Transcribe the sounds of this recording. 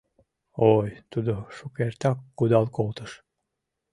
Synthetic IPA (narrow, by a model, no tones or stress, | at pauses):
ojt̪ud̪oʃukeɾt̪ɑkːud̪ɑlˠkolˠt̪ɤ̆ʃ